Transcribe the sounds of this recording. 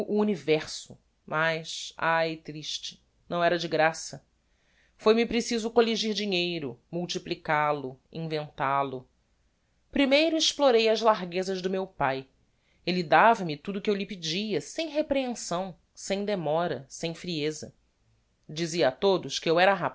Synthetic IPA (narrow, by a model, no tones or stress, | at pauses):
ʔuunivɛɾsʊ | mʔajʃajɪt̪ɾiʃt͡ʃɪ̥ | nɐ̃w̃ɛɾɐd͡ʒɪɡɾasɐ | fojmipɾesizʊkoliʒiɾd͡ʒiɲejɾʊmuwt͡ʃiplikalʊḭ̃vẽnt̪alʊ | pɾimejɾʊɪʃploɾejɐzlaɾɡezɐʒd̪ʊmewpaj | elid̪avɐmɪt̪ud̪ʊkɪewlipid͡ʒiɐsẽj̃ɦepɾeẽsɐ̃w̃ | sẽj̃d̪emɔɾɐsẽj̃fɾiezɐ̰ | d͡ʒiziɐat̪od̪ʊʃkɪewɛɾɐɦa